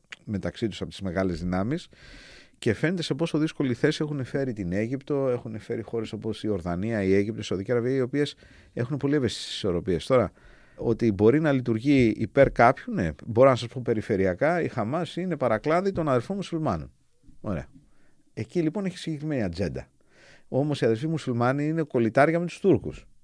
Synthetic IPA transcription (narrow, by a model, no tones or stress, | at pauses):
me̞t̪ɐksit̪usɐpo̞t̪izme̞ɣɐle̞zðinɐmis | ce̞fe̞ne̞t̪e̞se̞po̞so̞ðisko̞liθe̞sie̞xunefe̞ɾit̪ine̞ʝipt̪o̞e̞xunefe̞ɾixo̞ɾe̞so̞po̞sio̞ɾðɐniɐieʝip̚t̪osoðiciɾɐviɐio̞pie̞s | e̞xunepo̞lievesi̥ssi̥so̞ɾo̞pie̞st̪o̞ɾɐ | o̞t̪ibo̞ɾinɐlit̪uɾʝḭːpe̞ɾkɐpçunḛbo̞ɾonɐsɐspo̞pe̞ɾife̞ɾiɐkɐixɐmɐsine̞pɐɾɐklɐðit̪o̞nɐðe̞lfomusulmɐno̰n | o̞ɾe̞̰ɐ | ecilipo̞neçi̥siɟe̞kɾime̞niɐd͡ze̞nd̪ɐ̰ | o̞mo̞siɐðefimusulmɐniine̞ko̞lit̪ɐɾʝɐme̞t̪u̥st̪uɾkṵs